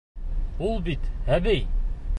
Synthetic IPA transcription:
ulˠbit̪hæβɘj

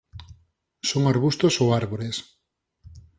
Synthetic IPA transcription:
soŋaɾβust̪osowaɾβoɾes

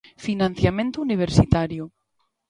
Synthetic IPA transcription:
finãn̟θjamẽnt̪ouniβ̞eɾsit̪aɾjʊ

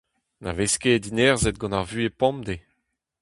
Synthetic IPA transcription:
na̰vesked̪inɛʁzet̪̚ɡɔ̃naʁvyepɔ̃md̪e

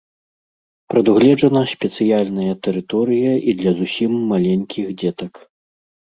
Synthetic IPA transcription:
pɾɐd̪uɣlʲɛd͡ʐɐnɐsʲpʲɛt̪sɨjalʲnɐjɐt̪ɛɾɨt̪ɔɾɨjɐid̪lʲɐzusʲimːalʲenʲkʲixd͡zʲɛt̪ɐk

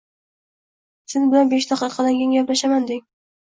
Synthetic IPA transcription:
sɪzbɪlanbeʃd̪ɑqɨqʰɑd̪aŋɡʲaŋʲjɒplaʃamand̪ɪŋ

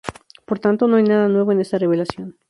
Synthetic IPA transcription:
po̞ɾt̪ant̪o̞noajnaðanwe̞βoene̞st̪are̞βe̞lasjo̞n

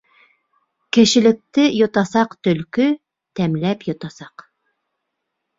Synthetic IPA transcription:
kʲʰĕʃɪlɪk̚t̪ɪjot̪ɑsɑqt̪ølkʲy | t̪ʰɛmlɛpjot̪ɑsɑq

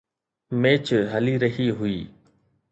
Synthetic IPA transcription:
meːt͡ʃɦəliːɾəɦiːɦʊiː

